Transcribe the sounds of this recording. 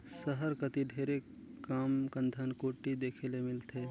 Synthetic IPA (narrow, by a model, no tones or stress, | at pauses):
səɦəɾkət̪iɖʱeɾe | kaːmkənd̪ʱənkoːʈːid̪eːkʰelemɪlt̪ʰe